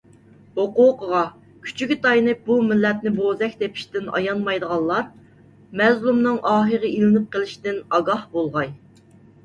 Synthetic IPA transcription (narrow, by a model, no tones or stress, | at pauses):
hoquːqəʁɑ | kʲʰy̥t͡ʃʰyɡʲit̪ɑjnɨbumɪlːɛt̪̚nɪbozɛkʲt̪epʰi̥ʃt̪ɪnɑ̰jɑnmɑjd̪əʁɑlˠlˠɑɾ | mɛzlˠumnɨŋʔɑːɦəʁəilɪnɪp̚qəlˠɪʃt̪ɪnɑɡɑhbolˠʁɑj